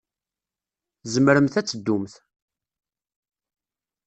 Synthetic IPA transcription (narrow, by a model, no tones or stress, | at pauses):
zəməɾəmθæt͡sːəd̪ːumθ